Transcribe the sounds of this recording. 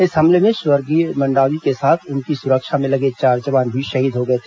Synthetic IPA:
ɪsɦɐmlemẽʃwəɾɡimɐ̃ɳɖaːwikesaːt̪ʰʊnkisʊɾəkʃamẽlɐɡet͡ʃaːɾd͡ʒɐʋaːnbʱiʃɐɦiːd̪ɦoɡɐet̪ʰeː

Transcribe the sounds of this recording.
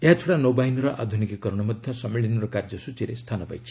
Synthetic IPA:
eɦat͡sʰoɽanobajnɾʌʔad̪ʱunikikʌɾɳ̃ʌmʌd̪ʱjʌsʌmeɭinɾɔkard͡ʒʌsut͡siɾest̪ʰanʌpa̰jt͡sʰi

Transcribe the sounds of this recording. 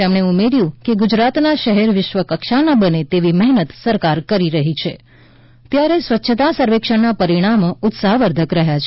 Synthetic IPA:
amɳeumeɾjũkeɡud͡ʒɾat̪naʃəɦɛɾʋɪʃʋəkəkʃanabənet̪eʋimɛɦnət̪səɾkaɾkəɾiɾəɦit͡ʃʰe | t̪jaɾesʋətːʃʰət̪asəɾʋekʃəɳnapəɾiɽ̃amoʊt̪saɦʋəɾd̪ʱəkɾəɦjat͡ʃʰ

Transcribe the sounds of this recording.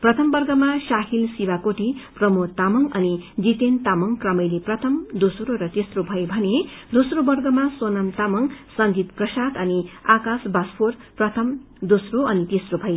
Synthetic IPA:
prʌt̪ʰʌmbʌrɡʌmasaɦilsiwakoʈiprʌmot̪amʌŋʌnid͡zit̪ent̪amʌŋkrʌmʌjliprʌt̪ʰʌmd̪osɾoɾʌt̪esrobʱʌjbʱʌned̪osrobʌrɡʌmaswonamt̪amʌŋsʌnd͡zit̪prʌsat̪ʌniakasbaspʰorprʌt̪ʰʌm | d̪osroʌnit̪isrobʱʌj

